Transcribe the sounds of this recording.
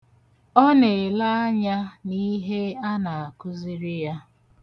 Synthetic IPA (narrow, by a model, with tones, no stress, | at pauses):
ɔ˦ne˨la˦ɲa˦ni˦ɦe˦a˦na˨a˨kʊ˦zi˦ɾi˦ja˦